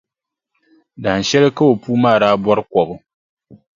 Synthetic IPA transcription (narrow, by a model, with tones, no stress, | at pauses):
da˨a˨ʃɛ˦lɨ˦ka˦wo˨puː˦maː˦˨ɾaː˦bwɔ˦ɾɨ˦kɔ˨bʊ˨